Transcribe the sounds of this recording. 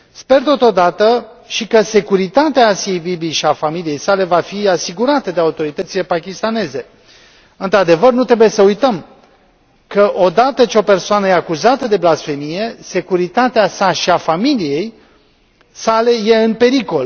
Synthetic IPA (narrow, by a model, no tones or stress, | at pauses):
spe̞rt̪o̞t̪o̞d̪at̪ə | ʃikəse̞kuɾit̪at̪eaːsiejbibijʃiafamilije̞jsale̞vafiasiɡuɾat̪əd̪eaut̪o̞ɾit̪ət̪sile̞pakʲist̪ane̞ze̞ | ɨnt̪ɾad̪e̞vərnut̪ɾe̞buje̞səujt̪əm | kəʔo̞d̪at̪ət͡ʃeo̞pe̞rsoanəjeakuzat̪əd̪e̞blasfe̞mije̞se̞kuɾit̪at̪easaʃiafamilije̞j | sale̞jeɨnpe̞ɾiko̞l